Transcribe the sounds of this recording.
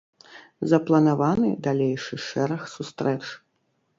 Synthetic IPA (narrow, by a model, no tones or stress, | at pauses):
zɐplˠɐnavanɨd̪alʲejʂɨʂɛɾɐxsust̪ɾɛt͡ʂ